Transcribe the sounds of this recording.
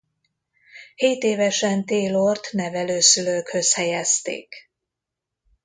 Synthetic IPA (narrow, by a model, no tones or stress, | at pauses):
heːt̪eːvɛʃɛnt̪eːlort̪nɛvɛløːsyløːkhø̞shɛjɛst̪ḛːk